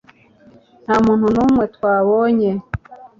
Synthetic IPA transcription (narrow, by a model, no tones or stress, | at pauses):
n̥haːmuːn̥hunuːmŋe̞twaːβoːɲe